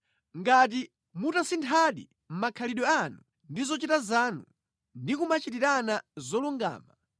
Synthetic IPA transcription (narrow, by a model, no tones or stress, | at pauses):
ŋɡat̬i | mutasintʰaɗḭ | m̩makʰaliɗɔanu | ndizɔt͡ʃitazaːnu | ndikumat͡ʃitiɾanazɔluŋɡa̰ːma